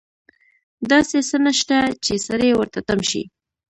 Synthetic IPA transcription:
d̪ɑsesənaʃt̪at͡ʃesaɾewəɾt̪at̪amʃḭ

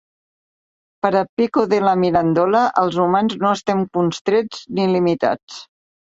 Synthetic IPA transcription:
pəɾəpikuðələmiɾənd̪ɔləʔəlˠzumanznoəst̪ɛŋkunst̪ɾed͡znilimit̪a̰t͡s

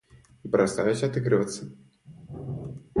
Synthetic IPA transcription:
ipɾɐst̪ajʲɪsʲat̪ɨɡɾɨvət̪sːə

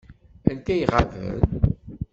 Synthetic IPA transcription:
ænt̪æjʁavə̰n

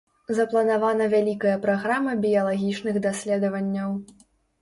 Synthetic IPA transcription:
zɐplˠɐnavanɐvʲalʲikɐjɐpɾaɣɾamɐbʲijɐlˠaɣʲit͡ʂnɨɣd̪asʲlʲɛd̪ɐvɐnʲːɐw

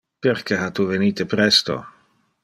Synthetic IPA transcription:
perkeɦat̪uveniːt̪epɾɛst̪o̰

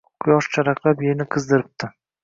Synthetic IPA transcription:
qʰʊjɒʃt͡ʃʰaɾaqlˠapjenɪqʰɨzd̪ɪɾɪp̚t̪ʰɪ

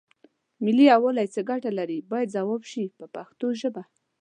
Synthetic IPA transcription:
mɪliawəlajt͡səɡaʈalaɾibɑjad̪zawɑbʃipəpaxt̪oʒəba

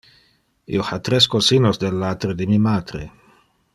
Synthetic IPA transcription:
ḭoxat̪ɾeskosinozd̪elːat̪ɾed̪imimaːt̪ɾḛ

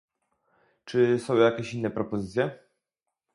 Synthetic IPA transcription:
t͡ʂɘsɔ̃w̃jakʲɛɕinːɛpɾɔpɔzɘt̪sʲjɛ

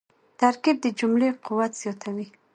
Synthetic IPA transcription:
t̪aɾkib̚d̪əd͡ʒumlequwat̪z̥jɔt̪ʰawi

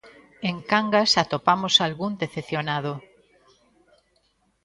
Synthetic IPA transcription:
eŋkaŋɡasat̪opamosalɣund̪eθeθjonað̞o

